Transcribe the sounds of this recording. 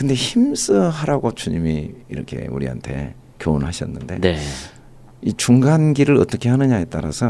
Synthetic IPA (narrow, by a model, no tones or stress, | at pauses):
kɯnde̞çims͈ɯɦaɾaɡot͡ɕuɲimiiɾʌ̰kʰe̞̰ṵɾiɦa̰ntʰe̞̰ | kjoonhaɕʰʌnːɯnde̞̰de | it͡ɕuŋɡanɡiɾɯɾʌt͈ʌkʰe̞ɦanɯɲaet͈aɾa̰sʰʌ